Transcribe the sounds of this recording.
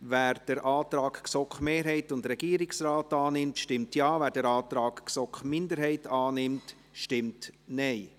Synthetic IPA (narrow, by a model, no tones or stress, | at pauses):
væːɾd̥əɾʔɑːt̪ɾɑːkksɔkχmeːɾɦɛɪtʊndɾɛɡiːəɾɪksraːtɑːnɪmtʃtɪmtjɑːvæːɾdɛɾɑːtɾɑːkksɔkχmɪndəɾɦɛɪtɑːnɪmt | ʃtɪmtnɛɪ